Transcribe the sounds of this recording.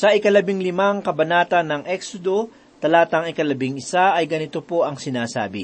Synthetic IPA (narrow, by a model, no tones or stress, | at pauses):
sɐʔɪkɐlɐbɪŋlɪmaŋkɐbɐnaːt̪ɐnːɐŋʔɛksod̪o̞ | t̪ɐlaːt̪ɐŋɪkɐlɐbɪŋɪsaɐjɡɐnɪt̪o̞po̞ʔɐŋsɪnaːsa̰ːbɪ̰